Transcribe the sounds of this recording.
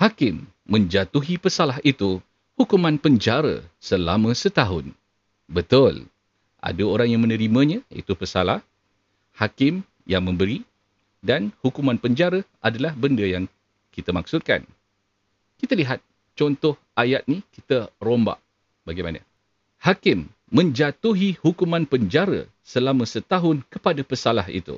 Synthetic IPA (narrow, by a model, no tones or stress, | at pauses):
hakɪmː | ə̃ɲd͡ʒat̪uɦipəsalaɦit̪u | hukumãnpəɲd͡ʒaɾə̰səlamə̃sət̪aɦʊn | bət̪ʊl | ʔa̰daoɾaŋjaŋmə̃nə̃ɾimə̃ɲãḭt̪upəsalah | hakɪm | jaŋmə̃mbəɾi | danhukumãnpəɲd͡ʒaɾəʔadalahbəndəjaŋ | kit̪amak̚sʊt̪̚ka̰n | kit̪aliɦat̪̚ | t͡ʃɔnt̪ɔhʔajat̪̚nikit̪əɾomba̰ʔ | baɡajmanə̰̃ | hakɪmː | ə̃ɲd͡ʒat̪uɦihukumãnpəɲd͡ʒaɾə̰ | səlamə̃sət̪aɦʊnkəpadapəsalahḭt̪ṵ